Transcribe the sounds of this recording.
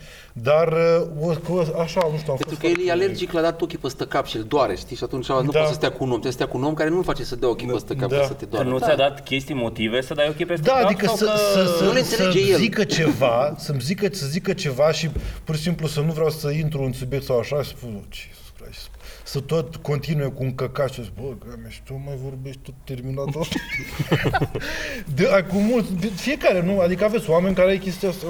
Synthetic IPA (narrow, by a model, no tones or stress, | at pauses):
d̪arəokəaʃaust̪aamenoɾkəjeljealerd͡ʒiklad̪at̪okʲipəst̪əkapʃield̪oaɾeʃt̪iʃiat̪unt͡ʃanud̪aossəst̪jakuunomt̪esət̪ʲakuno̞mkaɾenumfat͡ʃesəd̪eaokʲipəst̪əkapd̪asət̪ed̪oaɾnut̪sʲad̪at̪kʲe̞st̪ijmo̞t̪ivesəd̪ajokʲipesd̪t̪aːd̪ikəsəsəsəleeləed͡ʒejelzikət͡ʃe̞vasəmzikəsəzikət͡ʃe̞vaʃipuɾrʃis̬implusənuvɾʲeawsəint̪ɾuːnsubjek̚t̪sawaʃaːʃspusot͡ʃe̥sɾa̰ʃs | sət̪o̞t̪ko̞nt̪inuje̞kuːŋkəkat̪ʃizikbəɡameʃt̪omajvo̞rbe̞ʃt̪̚ʲt̪ot̪ːe̞rminat̪ot̪ | d̪eakumult̪sʲpfije̞kaɾenuad̪ikəave̞t̪sʲwame̞nʲkaɾeajkʲe̞st̪ijasa